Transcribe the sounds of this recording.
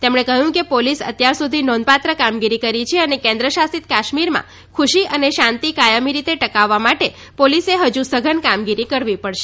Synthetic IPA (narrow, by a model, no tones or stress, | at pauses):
t̪emɳ̃ekəɦjũkepolisə̰t̪jaɾsud̪ʱinɔnd̪̚pat̪ɾəkamɡiɾikəɾit͡ʃʰeənekɛ̃nd̪ɾəʃasit̪kaʃmiɾmã̰ | kʰuʃiəneʃãnt̪ikajəmiɾit̪eʈəkaʋːamaʈe | poliseɦəd͡ʒusəɡʱənkamɡiɾikəɾʋipəɽʃe